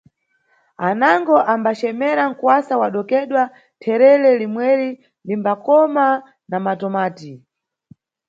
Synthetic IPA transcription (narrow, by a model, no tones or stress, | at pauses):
anaŋɡɔʔambat͡ʃɛmɛɾaŋ̩kwasawaɗɔkɛɗwa | tʰɛɾɛlɛlimwɛɾi | limbakɔma | namatɔmaːti